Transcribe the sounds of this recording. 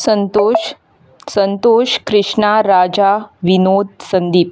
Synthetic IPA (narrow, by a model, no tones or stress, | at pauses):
sənt̪o | sənt̪oːʃkɾɪʂɳaɾad͡ʑaʋinoːd̪̚sənd̪iːp̚